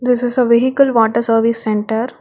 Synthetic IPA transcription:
d̪ɪsɪzəʋɪɦikəlʋɔːʈəɾsəɾʋisːɛ̃ɳʈəɾ

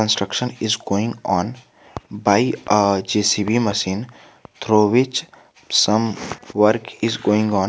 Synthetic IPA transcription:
ə̃nsʈɾəkʃə̃nɪzɡoːɪ̃ŋɡɔ̃ːn | baɪəd͡ʒeːsibiməʃĩːn | t̪ʰɾoːʋɪt͡ʃ | sə̃mʋəɾkɪzɡoːɪ̃ŋɡɔ̃ːn

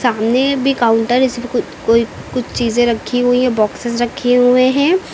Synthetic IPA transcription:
saːmnebʱikaːʊ̃ɳʈəɾɪsbʱikʊ | koːikʊt͡ʃʰt͡ʃiːzẽɾɐkʰːiɦʊiɦɛ̃bɔːksɪsɾɐkʰeɦueɦɛ̃ː

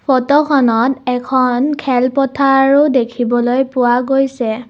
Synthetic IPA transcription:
pʰɔtɔkʰɔnɔtɛkʰɔnkʰɛlpɔtʰaɹʊdekʰibɔlojpʊwaɡojsɛ

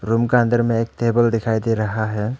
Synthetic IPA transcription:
ɾumkãnd̪əɾmẽeːk̚t̪ebəld̪ɪkʰajd̪eɾɐɦaɦɛː

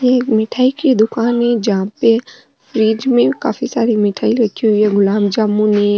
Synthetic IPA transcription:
jemɪʈʰaːikid̪ʊkaːnɦẽd͡ʒɐɦãpe | fɾiːd͡ʒmẽka̰ːfʰisaːɾimɪʈʰaːiɾɐkʰiɦʊiɦɛɡʊlaːmd͡ʒaːmũnẽ

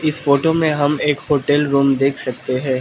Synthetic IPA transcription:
ɪsfoːʈomẽɦɐmeːkhoːʈɛlɾuːmd̪eːkʰsɐk̚t̪eɦɛ̃ː

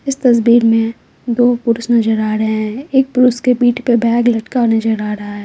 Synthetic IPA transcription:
ɪst̪ɐs̬biːɾmẽ | d̪oːpʊɾʊsnɐd͡ʒəɾaːɾɐɦẽɦɛ̃eːk̚pʊɾʊskepiːʈʰpebɛːɡlɐʈkanɐd͡ʒəɾaːɾɐɦaɦɛː

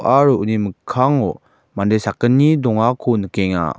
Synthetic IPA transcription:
ʔaɾɔʔuniməkʰːaŋɔ | mandesakənːidɔŋakʰɔnɯkɛŋa̰

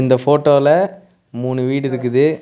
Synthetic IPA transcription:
ɪnd̪ɐfoːʈːoːɪlɐ | muːnɯʋiːɽɪɾɯkːɯðɯ

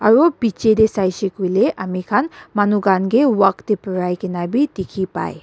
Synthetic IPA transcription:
aɾopit͡ʃed̪esajsikuleʔamikʰanmanuɡanɡewakt̪epəɾajkinabit̪ikʰipa̰j

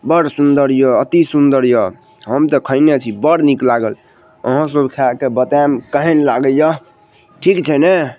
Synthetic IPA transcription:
bʌɽsund̪əɾjoːt̪isund̪əɾjo | ɦʌmt̪ʌkʰəɪnet͡ʃʰibʌɽniklaɡəl | ʌ̰ɦãs̬obkʰakebət̪amkəɦenlaɡəjjʌ | ʈʰikt͡ʃʰene

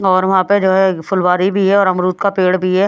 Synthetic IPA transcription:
ɔːɾʋɐɦãːped͡ʒoːɦɛfʰʊlʋaːɾibʱiɦɛɔːɾɐmɾuːt̪kapeːɽbʱiɦɛː

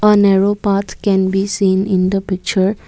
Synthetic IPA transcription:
ɔːnɛɾoːpaːt̪kɛ̃nbiːsĩːnɪ̃nd̪əpɪk̚t͡ʃəɾ

